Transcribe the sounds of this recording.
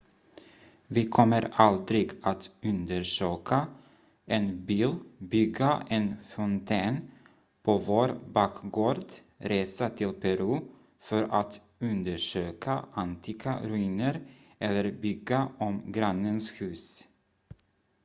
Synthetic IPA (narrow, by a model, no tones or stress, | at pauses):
vɪkʰɔmːəɾald̪ɾɪɡat̪ɵnd̪əɾʂøːkʰa | ʔɛnbiːlbʏɡːaʔɛnfɔnt̪ʰeːn | pʰovoːɾbɑːkɡoːɾd̪ | ɾeːsat̪ʰɪlpʰɛɾʉː | fœɾat̪ | ɵnd̪əʂøːkʰaʔant̪ʰɪkaɾʉiːnəɾ | ʔɛlːəɾbʏɡaɔmɡɾanːənshʉ̟ːs